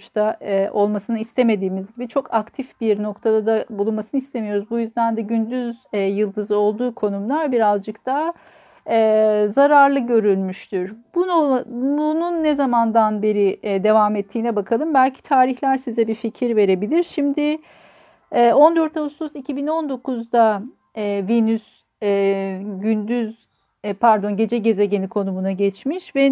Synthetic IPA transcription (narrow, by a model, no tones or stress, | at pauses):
t͡ʃt̪aʔo̞lˠmasɯnɯist̪ʰe̞me̞d̪iːmizɟibit͡ʃʰo̞kʰakt̪ʰifbiɾno̞kt̪ʰad̪ad̪abulˠunmasɯnɯist̪ʰe̞mijo̞ɾuzbujyzd̪ænd̪ɛɟynd̪yzɛjɯlˠd̪ɯzɯo̞lˠd̪uːkʰo̞numlˠaɾbiɾazd͡ʒɯkt̪ʰa | ɛːzaɾaɾlˠɯɟø̞ɾylʲmyʃt̪ʰyɾ̥bunbununːezamand̪anbe̞ɾid̪e̞vamɛt̪ʰːiːnɛbakʰalˠɯmbælʲcʰi̥t̪ʰaːɾiçlʲæɾsizɛbificʰiɾve̞ɾe̞bilʲiɾʃimd̪ɪ | ɛːo̞nd̪ø̞ɾt̪ʰavust̪ʰusicʰibino̞nd̪o̞kʰuzd̪aː | vinys | ɛːɟynd̪yz | pʰæɾd̪o̞nɟe̞d͡ʒɛɟe̞zeɟe̞nikʰo̞numunaɟɛt͡ʃmiʃvɛ